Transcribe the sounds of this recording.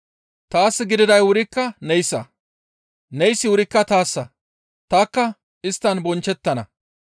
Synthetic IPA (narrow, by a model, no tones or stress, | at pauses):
t̪aːsːɪɡɪd̪ɪd̪ɐjwʊɾɪkːɐnɛjsːɐ̰ | nɛjsːɪwʊɾɪkːɐt̪aːsːɐ | t̪aːkːɐ | ɪst̪ːɐnbɔnt͡ʃːɛt̪ːɐnɐ̰